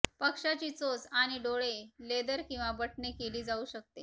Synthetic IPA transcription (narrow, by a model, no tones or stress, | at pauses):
pəkʂat͡ɕiːt͡sot͡saɽ̃iɖoɭeled̪əɾkĩw̃ʋabəʈɳekeliːd͡zauɕək̚t̪e